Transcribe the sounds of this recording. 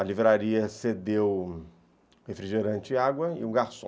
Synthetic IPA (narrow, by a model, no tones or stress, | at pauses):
ɐlivɾaɾiɐsed̪ew | hefɾiʒeɾɐ̃t͡ʃɪaɡwɐɪ̰ũɡaɾsõ